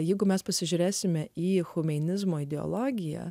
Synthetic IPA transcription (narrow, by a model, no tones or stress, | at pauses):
jɛɪɡʊmʲɛspɐsʲɪʒʲuːɾʲeːsʲɪmʲɛiːxʊmʲɛnʲɪzmoːɪd̪ʲɛo̰lˠoːɡʲɪjæ̰